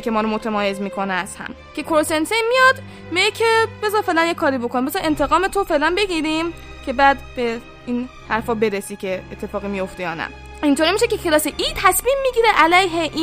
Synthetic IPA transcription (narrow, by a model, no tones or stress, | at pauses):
kʰemɒːɾomot̪ʰemɒːje̞zmiːkʰo̞neæz̥hæ̰m | cʰe̞kʰoɾosensenmijɒd̪ | miɡecʰebe̞zɒːfe̞ʔlænjekʰːɒːɾibo̞kʰonimbezɒʔe̞nt̪ʰe̞ɣɒːmet̪ʰofe̞ːʔlænbe̞ɡiːɾimcʲʰe̞bæd̪be̞ | iːn | hæɾfɒːbe̞ɾesiːkʰe̞et̪ʰːe̞fɒːɣimijo̞ft̪ejɒːnæ̰ | int̪ʰoːɾimiːʃekʲe̞kʰe̞lɒːseʔiːd̪̚t̪ʰæsmiːmːiːɟiːɾeʔælæjɦeʔi